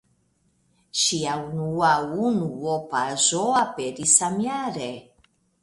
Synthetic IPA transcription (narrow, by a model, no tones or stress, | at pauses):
ʃiaunuaunuopazoapeɾisamiaɾe